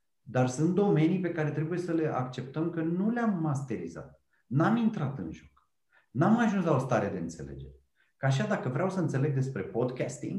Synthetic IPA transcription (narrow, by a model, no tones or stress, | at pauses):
d̪arsunt̪̚d̪o̞me̞nijpe̞kaɾe̞t̪ɾe̞buje̞səle̞ʔa̰kt͡ʃe̞p̚t̪əmkənuleamːast̪e̞ɾḭza̰t̪̚ | namint̪ɾat̪ɨ̰nʒo̞k | namaʒunslaost̪aɾead̪e̞ɨnt̪se̞le̞̰d͡ʒe̞̰ɾʲ | kaʃ̬ad̪akəvɾeawsəɨnt̪se̞le̞ɡ̚d̪e̞spɾe̞pod̪kʲast̪ḭŋɡ